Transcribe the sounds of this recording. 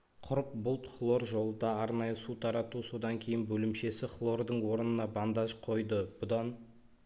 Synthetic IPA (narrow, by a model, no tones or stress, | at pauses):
qʰʊɾəp̚bʊlˠt̪flˠo̞ɾʒo̞lˠəd̪ɑːɾnɑjəsut̪ʰɑɾɑt̪uso̞d̪ɑŋkʲʰe̞jɪnbɵlɪmʃe̞sɪχlˠo̞ɾd̪əɴwo̞ɾənənɑbɑnd̪ɑʒqʰo̞jd̪əb̥ʊd̪ɑn